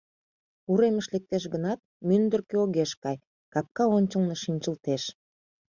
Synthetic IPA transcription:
uɾeməʃlek̚t̪eʃ̬ɡənɑt̪̚mynd̪ərkeoɣeʃkɑj | kɑp̚kɑonʲt͡ɕə̆lneʃinʲt͡ɕəlt̪eʃ

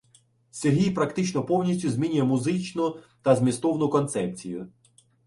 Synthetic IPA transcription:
sʲerɦʲijpɾɐkt̪ɪt͡ʃnɔpɔwnʲisʲtʲʊzmʲinʲʊjɛmʊzɪt͡ʃnʊ | t̪ɐzmʲist̪ɔwnʊkɔnt̪sɛp̚t͡sʲijʊ

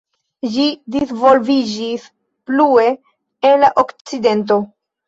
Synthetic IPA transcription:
d͡ʒidisvo̞lvid͡ʒis | plue̞ː | nlaʔokt͡side̞nt̬o̞

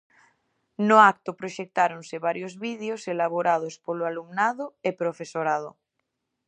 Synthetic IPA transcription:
noak̚t̪opɾoʃek̚t̪aɾonseβaɾjozβiðeoselaβ̞oɾað̞ospoloalumnaðoepɾofesoɾað̞o̰

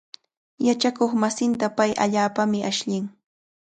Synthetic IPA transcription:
jat͡ʃakoχmasɪnt̪apajʔaʎaːpamɪʔaʃʎɪŋ

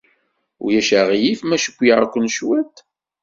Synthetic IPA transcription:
ʊ̰jæʃæʁjifmæʃə̥kʷːjaʕkʷːənʃwæt̪

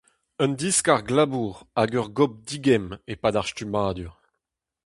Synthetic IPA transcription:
ənd̪iskaʁɡlabuːʁaɡœʁɡɔp̚diɡɛmepadaʁstymaːd̪yʁ

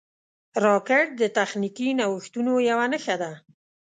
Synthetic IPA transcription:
ɾɑkɪʈ̚d̪ət̪axnikinawəxt̪unojawanəxad̪a

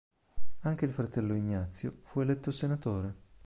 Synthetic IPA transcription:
aŋk̟eilfɾat̪ɛlːoiɲːat̪sːjo̰fuelɛt̪ːosenat̪oːɾe

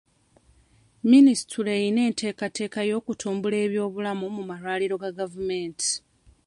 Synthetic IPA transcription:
minisi̥tʰulejine̞ːnte̞ːkate̞ːkajo̞ːkutʰuːmbule̞ːβjo̞ːβulamumumaɾwaːliɾo̞ɡaɡavume̞ːnti̥

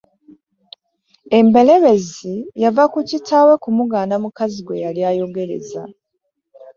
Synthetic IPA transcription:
e̞mbe̞le̞βe̞zijavakucitʰaːwe̞kumuɡaːnamukaziɡwe̞jaljaːjo̞ɡe̞ɾe̞̰za̰

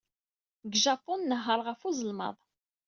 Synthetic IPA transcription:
ɡʒɑpʊnːəɦːəɾˤʁəfuzəlmɑ̰ðˤ

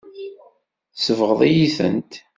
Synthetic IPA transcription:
θsəvʁəðˤijiθə̰nt̪

